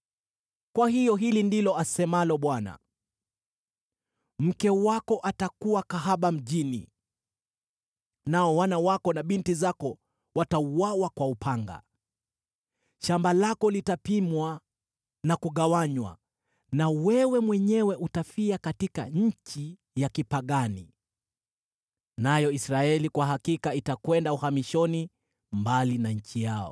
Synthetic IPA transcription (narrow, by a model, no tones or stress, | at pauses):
kwahijɔɦilindilɔasɛmalɔɓwana̰ | m̩kɛwakɔʔatakuwakaɦaɓam̩ʄinḭ | naɔwanawakɔnaɓintizakɔ | watauwawakwaupʰaŋɡa̰ | ʃambalakɔlitapimwa | nakuɠawaɲwa̰ | nawɛwɛmwɛɲɛwɛʔutafiakatika̰ɲ̩t͡ʃi | jakipaɠani | najɔisɾaɛlikwaɦakikaitakwɛndauhamiʃɔni | mbalinaɲ̩t͡ʃijaɔ̰